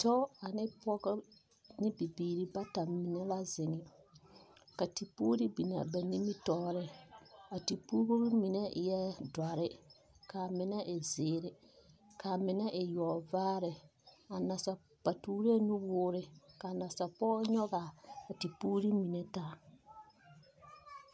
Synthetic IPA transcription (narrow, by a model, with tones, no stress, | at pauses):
tɔ˦a˨nɪ˦pɔ˦k | nɪ˦bi˨biː˨ɾi˦ba˦ta˨mi˨nɛ˦la˦zɪ˨ŋɪ˨ | ka˨ti˨puː˦ɾi˦bi˨na̰˨bɛ˨ni˦mi˦tɔː˦ɾɪ˦a˨ti˨puː˦ɡo˦bi˦mĩ˨nɛ˦˨jɛ˦da˨ɾɪ˦ | ka˨mɪ˨nɛ˦ʔɪ˨zɪː˨ɾɪ˨ | ka˨mɪ˨nɛ˦ʔɪ˨jɔ˨vaː˦ɾɪ˨a˨na˨sa˨ | pa˨tuː˦ɾe˦nũ˦wʊː˦ɾɪ˦ka˨na˨sa˨pɔː˦ɲɔ˦ɣa˨a˨ti˨puː˦ɾi˦mi˨nɛ˨ta˦